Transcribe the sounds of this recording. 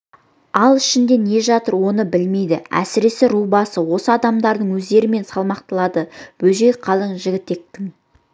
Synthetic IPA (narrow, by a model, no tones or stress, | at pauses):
ɑlˠɪʃɪnd̪e̞ne̞ʒɑt̪əɾwo̞nəbɪlme̞jd̪ɪæ̰sɪɾe̞sɪɾubɑsəwo̞səɑd̪ɑmd̪ɑɾd̪əɴwɵzd̪e̞ɾɪme̞nsɑlˠmɑq̚t̪əlˠɑd̪əb̥ɵʒe̞jqʰɑlˠəɴʒɪɡʲɪt̪ːe̞k̚t̪ɪŋ